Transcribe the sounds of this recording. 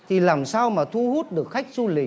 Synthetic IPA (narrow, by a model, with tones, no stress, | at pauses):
t̪ʰi˨˩laː˨˩msaː˧wmaː˨˩t̪ʰu˧hu˦˥t̚ɗɨ˨˩ək̚xa˦˥jk̟̚zu˧lï˨˩